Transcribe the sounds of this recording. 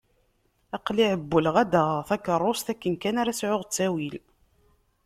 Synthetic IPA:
ɑqliʕəbːəlʁæd̪æθɑkːərˤːost̪ækːənkænaɾæsʕʊʁt͡sːæwil

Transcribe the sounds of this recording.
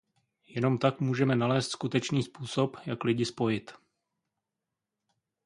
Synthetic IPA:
jɛno̞mt̪akmuːʒɛmɛnalɛːst̪skut̪ɛt͡ʃniːspuːso̞pjaklɪɟɪspo̞jɪt̪

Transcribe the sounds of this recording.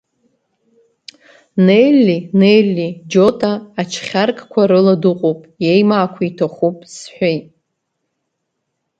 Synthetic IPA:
nelːinejlːid͡ʒotʼaːt͡ʃʰχʲarkʼkʷʰaɾɨladɨqʼopʼjejmaːkʷʰaitʰaχupʼsħʷᶣejtʼ

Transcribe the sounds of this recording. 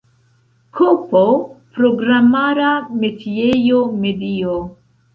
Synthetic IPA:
kʰopopɾoɡɾamaɾame̞tʰiejome̞dio

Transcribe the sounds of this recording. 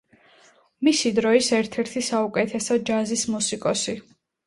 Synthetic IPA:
misid̪ɾɔisɛɾt̪ʰɛɾt̪ʰisaukʼɛt̪ʰɛsɔd͡ʒazismusikʼɔsi

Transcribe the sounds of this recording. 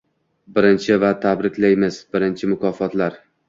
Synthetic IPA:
bɪɾɪnt͡ʃʰɪvat̪ʰabɾɪkʲlajmɪz̥bɪɾɪnt͡ʃʰɪmʊkʰɒfɒt̪laɾ

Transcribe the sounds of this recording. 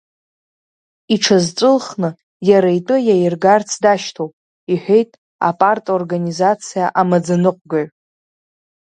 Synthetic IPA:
iʈ͡ʂʰazt͡sʷʼɨlχnɨ | jaɾajtʼɨjajɪrɡart͡sʰdaʃtʰowpʼ | iħʷᶣe̞jtʼ | a̰pʼartʼorɡanizat͡sʰijaʔamad͡zanɨqʷʼɡaʕ

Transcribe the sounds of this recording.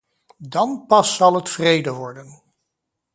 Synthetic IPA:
dɑnpɑsːɑlˠɦətfrejdəʋɔɹdən

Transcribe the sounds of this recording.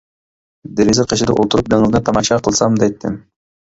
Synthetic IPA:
d̪eɾezɪqʰɑʃɪd̪ɨ̰ʔo̰lˠt̪uɾup̚d̪eŋlˠnɪt̪ʰɑmɑʃɑqʰəlˠsɑmd̪ɛjt̪ʰːɪ̰m

